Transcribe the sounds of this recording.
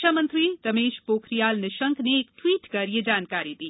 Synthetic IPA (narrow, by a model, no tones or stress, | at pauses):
amənt̪ɾiɾɐmeːʃpoːkʰɾijaːlnɪʃəŋkneːkʈʋiːʈkɐɾijed͡ʒaːnkaɾit̪iː